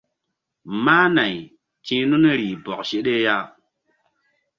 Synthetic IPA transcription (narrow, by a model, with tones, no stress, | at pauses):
maː˦na˨j | t͡ʃĩ˦nu˦n˦ɾiː˨bɔ˨k̚ʃe˦ɗe˦ja˦